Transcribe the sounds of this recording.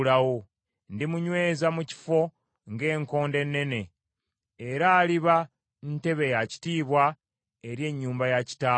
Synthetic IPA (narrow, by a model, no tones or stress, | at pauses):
lawo | ndimuɲwe̞ːzamuci̥fo̞ | ŋɡe̞ːŋko̞ːnde̞nːe̞ne̞ː | ɾaːliβa | nte̞βe̞jaci̥tiːβwa | eɾje̞ɲːuːmbajaci̥taː